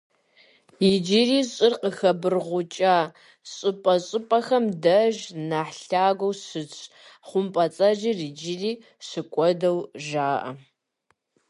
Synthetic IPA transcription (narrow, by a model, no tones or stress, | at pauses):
jɪd͡ʒiriːɕʼɪrqəxɐbɨrʁʷʊt͡ʃʼaː | ɕʼɨpʼɐɕʼɨpʼɐxɐmdɐʒnaħɬaːɡʷowsɨt͡sʼʰ | χʷʊmpʼɐt͡sʼɐʒirid͡ʒɪriː | ɕɨkʷʼɔdɐwʒaːʔɐ̰